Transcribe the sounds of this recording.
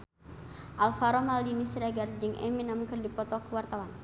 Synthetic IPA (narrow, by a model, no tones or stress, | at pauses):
ʔalfaɾɔmaldinisɾaɡard͡ʒɨŋʔɛ̰minamkərdipɔt̪ɔkəwart̪awan